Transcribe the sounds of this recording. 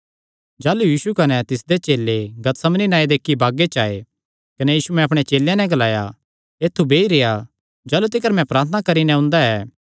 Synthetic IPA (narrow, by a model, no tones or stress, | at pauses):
d͡ʒaːlujiːsukɐnɛt̪ɪsd̪et͡ʃeːlːeɡɐt̪sɐmninaːed̪eːkʰːibaːɡet͡ʃaːe | kɐnɛjiːsumɛ̃ɐp̬ɽ̃et͡ʃeːljãnɛ̃ɡɐlaːja̰ | eːt̪ʰːubʱeːiɾeːa | d͡ʒaːlut̪ɪkəɾmɛ̃pɾaːɾt̪ʰənakɐɾinɛ̃ʊ̃ːnd̪aɛː